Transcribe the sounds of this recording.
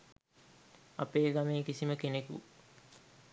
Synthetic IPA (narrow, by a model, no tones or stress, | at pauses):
apeːɡameːkisiməkenekṵ